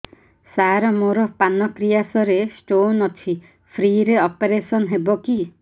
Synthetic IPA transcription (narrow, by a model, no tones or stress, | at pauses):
saɾɔmoɾɔpanɔkɾijasɔɾesʈonɔt͡ʃʰi | pʰɾiɾeɔpeɾesɔnɦebɔki